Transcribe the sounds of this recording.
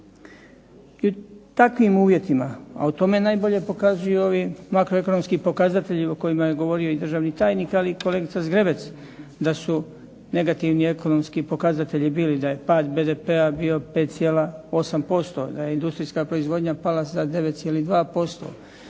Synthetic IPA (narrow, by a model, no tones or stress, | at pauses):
iut̪akʋimuːʋje̞t̪imaa̰ut̪o̞me̞naːjbo̞ʎe̞po̞kazujuo̞ʋimakɾoe̞kono̞mskipo̞kazat̪e̞ʎioko̞jimaje̞ɡo̞ʋo̞ɾioid̪r̩ʒaːʋnit̪aːjniːkaliko̞le̞ɡit̪sazɡɾebe̞t̪s | d̪asu | ne̞ɡat̪iʋnie̞ko̞no̞mskipo̞kazat̪e̞ʎibiːlid̪aje̞paːd̪be̞ːd̪epe̞abio̞pe̞ːt̪t̪sjelao̞sampo̞st̪o̞̰d̪aje̞ind̪ust̪ɾiːskaːpɾo̞izʋo̞ːd̪ɲapalazad̪e̞ʋet̪t̪sjelid̪ʋaːpo̞st̪o̞̰